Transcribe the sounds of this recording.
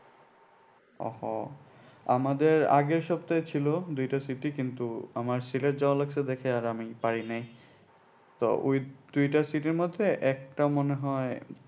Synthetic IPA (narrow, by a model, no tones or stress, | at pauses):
ɔ̰hɔ̰ | a̰mad̪eɾa̰ɡeɾʃɔbt̪aet͡ɕʰilod̪ujʈasiʈikint̪uamaɾsileʈ̚d͡ʑalak̚t͡ɕʰed̪ɛkʰeaɾamipaɹinaj | t̪o̰ʔojd̪̥ujʈasiʈiɾmod̪ʱːeʔɛk̚ʈamoneɦɔe